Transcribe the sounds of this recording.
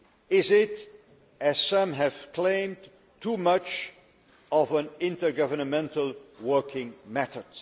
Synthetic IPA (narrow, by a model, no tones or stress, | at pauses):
ɪzɪɾ | ɨz̥sʌ̃mɦɨv̥kʰl̥ẽɪ̃md | tʰumʌt͡ʃ | ʌvə̃nɪ̃ntə˞ɡʌvə˞nəmɛ̃ntəl̩ˠwɜ˞kʰɪ̃ŋmɛθəd̥